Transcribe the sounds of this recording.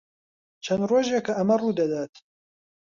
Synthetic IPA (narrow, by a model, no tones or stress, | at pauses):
t͡ʃʰɐnd̪roːʒekɐʔɐmɐruːd̪ɐd̪aːt̪